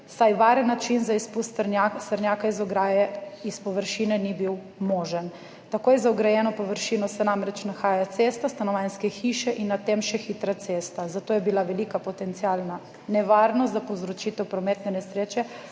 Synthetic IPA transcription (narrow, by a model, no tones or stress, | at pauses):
sajʋaːɾənːat͡ʃinzaispust̪ɾnast̪əɾnjaːkaizɔɡɾajɛispɔʋəɾʃinɛnibiw | mɔːʒən | t̪akoːjɛzaɔɡɾajɛːnɔpɔʋəɾʃiːnɔsɛnamɾɛt͡ʃnaxaːjat̪sest̪ast̪anɔʋanskɛxiʃɛʔinːat̪emʃɛxit̪ɾat̪seːst̪azat̪oːjɛbilaʋɛlikapɔt̪ɛnt̪sialna | nɛʋaːɾnɔst̪zapowzɾɔt͡ʃit̪ɛwpɾɔmeːt̪nɛnɛsɾeːt͡ʃɛ